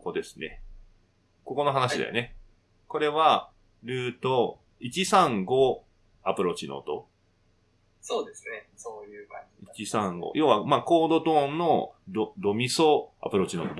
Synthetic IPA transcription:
kod̪e̞sɨ̥ne̞̰ | ko̞ko̞no̞ɦanaɕid̪a̰jo̰ne̞ | ko̞ɾe̞βa | ɾɯ̟ːt̪o̞ | it͡ɕisãŋɡo | apɯ̟ɾo̞ːt͡ɕino̰ːt̪o̞̰ | soːd̪eseoj | it͡ɕisãŋɡo̰ːjo̞ːβamaːko̞ːd̪o̞t̪õ̞ːnːod̪od̪o̞mʲiso̞a̰pɯ̟ɾo̞ːt͡ɕino̞ːt̪o

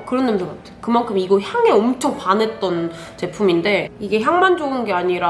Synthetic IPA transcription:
kɯɾʌnːɯmd͡ʑʌk͈atʰejokɯmankʰɯmiɡʌçjaŋe̞ʌmt͡ɕʰoŋpane̞t̚t͈ʌn | t͡ɕe̞pʰuminde̞iɡe̞çjaŋmand͡ʑoɡɯnɡe̞aɲiɾa

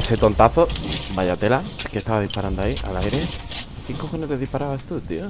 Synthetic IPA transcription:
eset̪o̞nt̪aθo̞baʎat̪e̞lake̞st̪aβaðispaɾand̪oaiʔalajɾe | θiŋkoxoneleðihpaɾaβast̪ut̪io

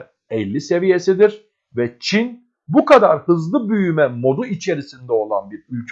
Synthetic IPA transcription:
ɛlʲːise̞vije̞sid̪iɾ | vɛt͡ʃʰin | bukad̪aɾhɯzlˠɯbyjymɛmo̞d̪uit͡ʃʰe̞ɾisind̪ɛo̞lˠa̰nbiɾylʲcʰ

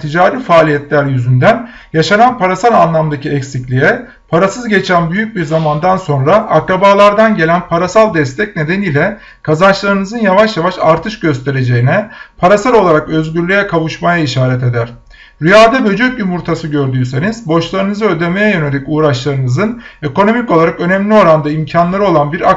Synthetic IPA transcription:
t̪ʰid͡ʒaːɾifaːlʲijɛt̪lʲæɾjyzynd̪æn | jaʃananpʰaɾasalˠanlˠamd̪acʰiɛcsiclʲijɛ | pʰaɾasɯzɟe̞t͡ʃʰænbyjyc̚biɾzamand̪anso̞nɾaakɾabaːlˠaɾd̪anɟe̞lʲænpʰaɾasalˠd̪ɛst̪ʰɛc̚ne̞d̪e̞niːlʲɛ | kʰazant͡ʃlˠaɾɯnɯzɯnjavaʃjavaʃaɾt̪ʰɯʃɟø̞st̪ʰe̞ɾe̞d͡ʒejinɛpʰaɾasalʲˠo̞lˠaɾakø̞zɟyɾlʲyjɛkʰavuʃmajaiʃaːɾɛt̪e̞d̪æɾ̥ | ɾyjaːd̪abø̞d͡ʒøcjymuɾt̪ʰasɯɟøɾd̪yːse̞niz̥bo̞ʃlˠaɾɯnɯzɯød̪eme̞jɛjø̞ne̞lʲicuːɾaʃlˠaɾɯnɯzɯne̞ko̞no̞mico̞lˠaɾakø̞nɛmlʲio̞ɾand̪aimcʰanlˠaɾɯo̞lˠanbiɾa

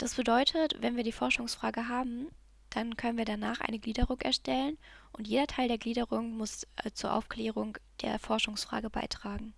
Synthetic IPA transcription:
d̥asb̥ədɔʏtʰətvɛnviːɐdiːfɔɐʃʊŋsfʁ̥aːɡəɦaːbm̩ | d̥ankʰœnənviːɐɾanaːχʔa̰ɪnəɡliːdəʁʊŋʔɛ̰ɐʃtɛlənʔʊntjeːdɐtʰaɪldeːɐɡliːdəʁʊŋmʊst͡suːɐʔa̰ʊfkl̥ɛːʁ̞ʊŋd̥ḛːɐfɔɐʃʊŋsfʁ̥a̰ːɡəba̰ɪtʁ̥aːɡŋ̩

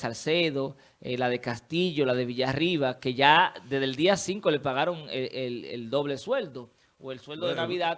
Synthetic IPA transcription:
salse̞ðo̞ | elaðe̞kast̪iʝo̞laðe̞βiʝariβake̞ʝad̪ezðeld̪iasiŋko̞le̞paɣaɾo̞ŋeelḛld̪o̞βle̞swe̞ld̪o̞ | oe̞lswe̞ld̪o̞ðenaβiða

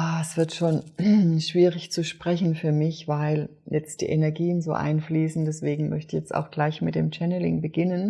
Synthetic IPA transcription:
aːɛsv̥ɪɐtʃoːnʃv̥iːʁɪçt͡suʃpʁ̥ɛçn̩fyːɐmɪçv̥aɪl | jɛt͡st̚d̥ḭːʔenɛɐɡiːənzo̰ːʔa̰ɪnfliːsn̩dɛsv̥eːɡŋ̩mœ̰çtɪçjɛt͡sta̰ʊxɡ̥laɪçmɪt̚d̥eːmt͡ʃɛnəlɪ̰ŋbəɡɪnən

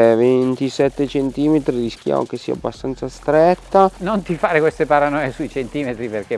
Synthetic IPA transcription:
vent̪isɛt̪ːet͡ʃent̪iːmet̪ɾiɾisk̟ja̰ːmʔo̰k̟esːḭːa̰abːast̪ant̪sast̪ɾɛt̪ːanont̪ifaːɾekwest̪epaɾanɔjesuit͡ʃent̪iːmet̪ɾiperke

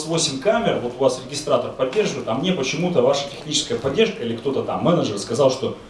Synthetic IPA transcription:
svo̞sʲɪmʲkamʲɪrvo̞t̪ʊvasɾʲɪɡʲɪst̪ɾat̪ərpɐdʲːe̞rʐɨvəɨjt̪amnʲepət͡ɕɪmut̪əvaʂə̥tʲɪxnʲit͡ɕɪskəjəpɐdʲːe̞rʂkəilʲɪkt̪o̞t̪ət̪amːɛnəʐərskɐzalˠʂt̪o̞

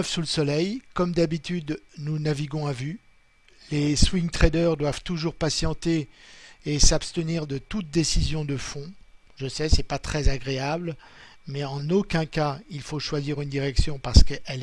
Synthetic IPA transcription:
fsuləsɔlɛjkɔmd̪abit̪yd̪nunaviɡɔ̃avy | leswiŋt̪χɛd̪œʁd̪wav̥t̪uʒuʁpasjɑ̃t̪eː | sapst̪əniʁd̪ət̪ut̪̚d̪esizjɔ̃d̪əfɔ̃ | ʒəsɛsɛpat̪χɛzaɡʁeabl | mɛɑ̃nokʲɛ̃kailfoʃwaziʁynd̪iʁɛksjɔ̃paʁsə̥kʔɛl

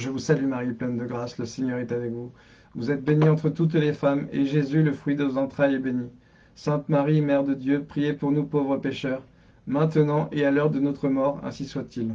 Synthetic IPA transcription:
ʒəvusalymaʁiplɛnd̪əɡʁasləseɲœʁɛt̪avɛkvu | vuzɛt̪̚beniɑ̃t̪χət̪ut̪lefamḛʒezyləfχɥid̪əvozɑ̃t̪χajɛbeni | sɛ̃t̪maʁimɛʁd̪əd̪jøpχijepuʁnupovʁəpeʃœʁ | mɛ̃t̪ənɑ̃ʔealœʁd̪ənɔt̪χəmɔʁɛ̰̃siswat̪ʰil

